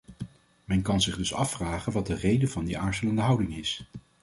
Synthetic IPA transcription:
mɛnkɑnzɪχdɵsɑ̰fraːχənʋɑt̚dərejdəvɑndiʔaːɹzələndəɦʌwdɪŋɪs

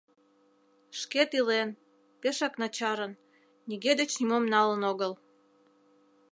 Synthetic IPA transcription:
ʃket̪ilen | peʃɑknɑt͡ɕɑɾən | niɣed̪et͡ɕnimomnɑlənoɣəl

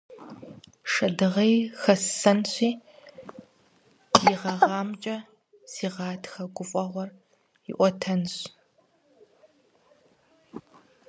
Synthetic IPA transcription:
ʂɐdɨʁejxɐsɐnɕʷiː | jiʁɐʁɑːmt͡ʃʼɐ | siːʁɑːtʰxɐɡʷʊfʼɐʁʷɔr | ɪ̰ʔʷɔtʰɐnɕ

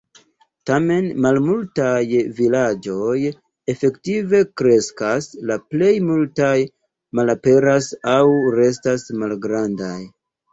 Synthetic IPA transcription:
tame̞nmalmultajvilad͡ʒo̞j | e̞fe̞ktive̞kɾe̞skaslaple̞jmultaj | malape̞ɾasawɾe̞stasmalɡɾandaj

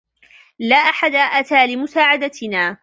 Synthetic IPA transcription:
laːʔaħad̪aʔat̪aːlɪmʊsaːʕad̪at̪ɪnaː

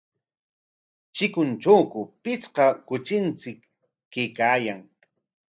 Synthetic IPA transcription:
t͡ʃɪkʊnt͡ʃawkʊpɪt͡sqɑkʊt͡ʃɪnt͡sɪkː | ejkaːjaŋ

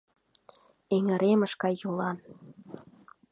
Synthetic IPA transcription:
eŋə̆ɾemə̆ʃkɑjːulɑn

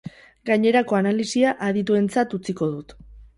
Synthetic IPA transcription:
ɡaɲe̞ɾako̞analisiaʔaðit̪ue̞nt͡sat̪ut͡siko̞ðut̪

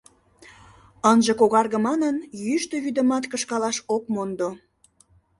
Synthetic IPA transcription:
ənʒəkoɣɑrɣə̆mɑnənjyʃt̪øβyd̪ə̆mɑt̪kəʃkɑlɑʃokmond̪o

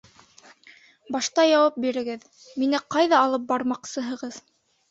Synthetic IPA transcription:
bɑʃt̪ɑjɑwɑp̚biɾɘ̆ɡɘð | minɘqɑjðɑːlˠɤp̚bɑɾmɑqsɤ̆ɦɤ̆ʁɤð

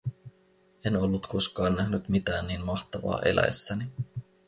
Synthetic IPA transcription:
e̞no̞lːut̪ko̞skɑːnːæhnyt̪mit̪æːnːiːnmɑxt̪ɑʋɑ̰ːʔe̞̰lʔæ̰jsːæni

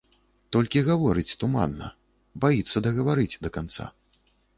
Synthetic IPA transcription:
t̪ɔlʲkʲiɣavɔɾɨt͡sʲt̪uma̰nːɐ̰ | bajit̪sːɐd̪ɐɣɐvaɾɨt͡sʲd̪ɐkant̪sa̰

